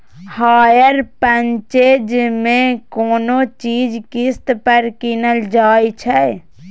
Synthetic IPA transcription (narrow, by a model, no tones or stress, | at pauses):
haːjəɾpəɲt͡ʃeːd͡ʒmẽkoːnot͡ʃiːd͡ʒkɪst̪pəɾkɪnəld͡ʒaːit͡ʃʰɛ